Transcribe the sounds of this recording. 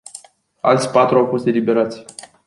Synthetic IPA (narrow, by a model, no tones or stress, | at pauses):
a̰lt̪sʲpat̪ɾuawfo̞st̪e̞libe̞ɾat̪sʲ